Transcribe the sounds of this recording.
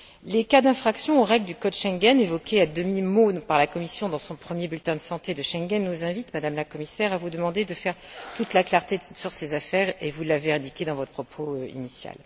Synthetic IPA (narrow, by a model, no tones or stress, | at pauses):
lekad̪ɛ̃fχaksjɔ̃oʁɛɡld̪ykɔd̪ʃɛ̃ŋɡɛnevɔkʲead̪əmimopaʁlakɔmisjɔ̃d̪ɑ̃sɔ̃pχəmjebylt̪ɛ̃d̪əsɑ̃t̪ed̪əʃɛ̃ŋɡɛnːuzɛ̃vit̪mad̪amlakɔmisɛʁavud̪əmɑ̃d̪ed̪əfɛʁt̪ut̪laklaʁt̪esyʁsezafɛʁevulaveɛ̃d̪ikʲed̪ɑ̃vɔt̪χəpʰχɔpʰoḭnisja̰l